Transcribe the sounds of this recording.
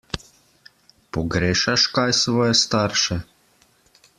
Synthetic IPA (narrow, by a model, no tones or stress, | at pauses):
pɔɡɾeːʃaʃkajsʋɔjɛst̪aɾʃɛ